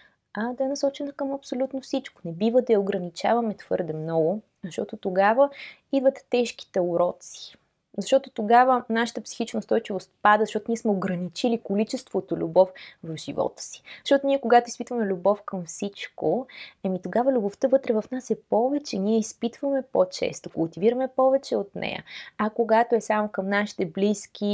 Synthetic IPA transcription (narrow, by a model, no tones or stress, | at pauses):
ɐd̪ɐɛnɐsɔt͡ʃɛnɐkəmɐpsolʲut̪nofsit͡ʃko̥nɛbivəd̪ɐjɐoɡɾɐnit͡ʃa̰vɐmɛt̪v̥ɤɾd̪ɛmnɔɡʊ | zəʃt̪ɔ̰t̪ot̪oɡavə | id̪vət̪ɛ̥ːɛʃk̟i̥t̪ɛʊɾɔt̪si̥ | zɐʃt̪ɔt̪ot̪oɡavənaʃə̥t̪əpsi̥xit͡ʃnəʊst̪ɔjt͡ʃivost̪pad̪əzɐʃt̪ɔt̪ʊniɛsmɛoɡɾɐnit͡ʃilikolit͡ʃɛst̪vot̪olʲṵbɔfvəfʒ̥ivɔ̰t̪ə̥si̥zə̥ʃt̪ɔt̪oniɛkoɡat̪oispit̪vəmɛlʲubɔfkəmfsit͡ʃkoɐmit̪oɡavəlʲuboft̪əvɤt̪ɾɛvɐfnasɛpɔvɛt͡ʃɛniɛispit̪vəmɛpot͡ʃɛ̰st̪okʊlˠt̪iviɾəmɛpɔvɛt͡ʃɛot̪nʔɛ̰jə̰ɐkoɡat̪oɛsamokəmnaʃi̥t̪ɛblisk̟ʲi